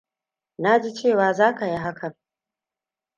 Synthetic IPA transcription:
na˦d͡ʒi˦t͡ʃeː˦˨waː˨zaː˦ka˨ji˦ɦa˦kʰɐ˨ŋ

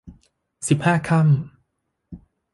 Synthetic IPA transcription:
si˨˩p̚haː˥˩kʰa˥˩m

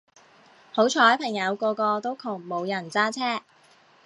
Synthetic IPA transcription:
ho˨˥wt͡ʃʰɔː˨˧˥jpʰɐ˨˩ŋjɐ˨˧wkɔː˧kɔː˧t̪o˥wkʰʊ˨˩ŋmo˨˧wjɐ˨˩nt͡saː˥t͡sʰɛː˥

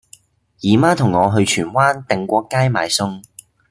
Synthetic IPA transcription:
jiː˨˩maː˥t̪ʰʊ˨˩ŋːɔː˨˧ɦɵ˧ɥt͡ʃʰyː˨˩nwaː˥nt̪ɪ˨ŋkʷɔː˧kaː˥jma̰ː˨˧jsʊ˥ŋ

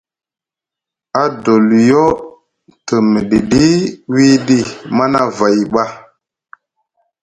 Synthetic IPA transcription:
a˦do˨ljo˦ | tə˨mə˨ɗi˨ɗi˦wi˦ɗi˦ma˦na˦va˨jɓa˦

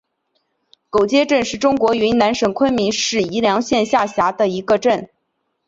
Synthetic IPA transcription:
ko˨˩ʊt͡ɕjɛ˥ʈ͡ʂə˥˧nʂɻ̩˥˩ʈ͡ʂʊ˥ŋkwɔ˧˥y˧˥na˧˥nʂə˨˩ŋkʰwə˥nmi˧˥nʂɻ̩˥˩i˧˥ljɑ˧˥ŋɕjɛ˥˧nɕja˥˩ɕja˧˥d̪ə˧i˧˥ɡə˧ʈ͡ʂə˥˩n

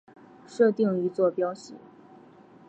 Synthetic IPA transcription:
ʂɤ˥˧t̪i˥˩ŋi˧˥t͡swɔ˥˩pjɑ˥ʊɕḭ˨˩˦

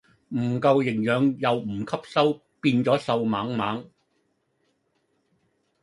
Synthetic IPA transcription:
m̩˨˩kɐ˧wjɪ˨˩ŋjœː˨ŋjɐ˨wm̩˨˩kʰɐ˥p̚sɐ˥w | piː˧nt͡ʃɔː˨˥sɐ˧wma̰ː˨˥ŋmaː˨˥ŋ

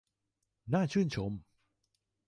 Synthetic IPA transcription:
naː˥˩t͡ɕʰɯː˥˩nt͡ɕʰo˩˦m

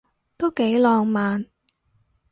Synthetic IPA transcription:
t̪o˥wke˨˥jlɔː˨˧ŋmaː˨n

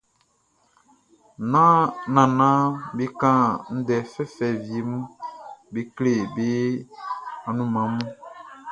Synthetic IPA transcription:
nã˦nã˨nã˦be˦kã˦n̩˦dɛ˨fɛ˦fɛ˨vi˨e˨mũ˦be˦kle˦˨be˦ | a˨nũ˦mã˨˦mũ˦

